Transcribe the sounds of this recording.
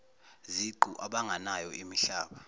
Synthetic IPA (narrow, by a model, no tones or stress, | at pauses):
ziǃuʔaɓaŋʱanajɔʔimiɬaːɓa